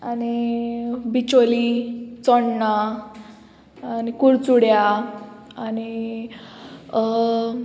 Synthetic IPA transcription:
ani | bit͡ɕolit͡sɔɳna | anikuɾt͡suɽja | ani

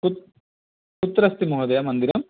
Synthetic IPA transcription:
put̪ | put̪ːɾɐst̪imuɦɐd̪ɐjɐmɐnd̪iɾɐm

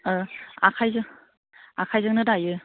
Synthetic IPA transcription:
akʰajzɯŋ | akʰajzɯŋnɯdajɯ

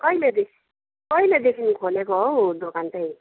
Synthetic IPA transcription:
kʌjled̪ekʰi | kʌjled̪ekʰinikʰolekod̪okant̪ʌj

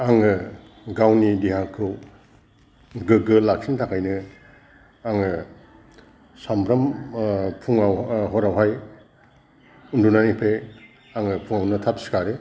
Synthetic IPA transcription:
aŋɯ | ɡawnidiɦakʰɯw | ɡɯɡɯlak̚sʰintʰakʰajnɯ | aŋɯ | sampʰɾɐm | pʰuŋawɦɔɾawɦaj | undunanipʰe | aŋɯpʰuŋawnɯtʰapsi̥kaɾe

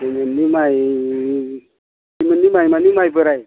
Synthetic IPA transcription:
imɨnːimaj | imɨnːimaimanimajbəɾaj

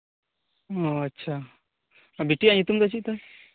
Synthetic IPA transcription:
ɔɐtːɕʰa | biʈiaɲit̪umd̪at͡ʃiʔ̚t̪a

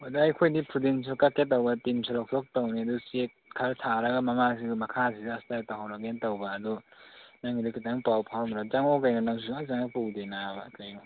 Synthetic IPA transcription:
adajkʰojdipʰɾudins̬ɔkaketːawbɐtimsʰalɔk̚tʰɔk̚tawniɐdusekʰaɾtʰaɾɐɡamɐmas̬iɡmɐkʰasisiastataɦawɾaɡentawbaːdunaŋidikitaŋpawpʰawnɾad͡ʒaŋɔkajnanaŋs̬uŋazaŋapuwdenabakajnɔ

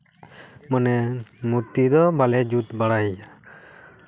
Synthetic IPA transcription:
manɛmuɾt̪id̪ɔbalɛd͡ʒut̪baɽaja

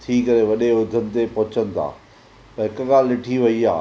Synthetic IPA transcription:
t̪ʰiːkɐɾeʋɐɗeʊd̪ʱənɪ̆t̪epɐɦʊt͡ɕənɪ̆t̪ʰa̰ː | pɐɦɪkɠaːlːɪʈʰiʋɐia̰ː

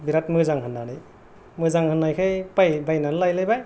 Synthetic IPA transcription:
biɾatmɯzaŋɦɯnːaɽɯj | mɯzaŋhɯnːajkʰɯjpajbajnanlajlajbaj

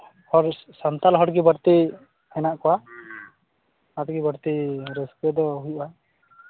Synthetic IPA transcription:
hɔɾsant̪alɦɔɽɡibəɾt̪i | hɛnaʔkɔwa | at̪ɡibəɾt̪iɾɛskɛd̪ɔɦujʔa

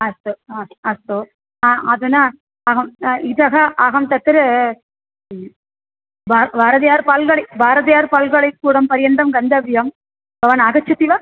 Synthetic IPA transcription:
ɐst̪oɐst̪o | aɐðɯnaː | ɐɣɐmɪðɐɣɐʔɐɣɐmt̪ɐt̪ːɪɾ | babaːɾɐðɐjaːɾpaːlɣɐɭɐɪbaːɾɐðɐjaːɾpaːlɣɐɭɐɪkːuːɽɐmpɐɾɪjɐnd̪ɐmɡɐnd̪ɐbɪjɐm | ɡɐʋaːnɐɣɐt͡ʃːɐt̪ːiʋa

